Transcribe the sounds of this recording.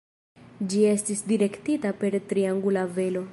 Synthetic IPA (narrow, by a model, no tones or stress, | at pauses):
d͡ʒie̞stisdiɾe̞ktitape̞ɾtɾiaŋɡulave̞lo̞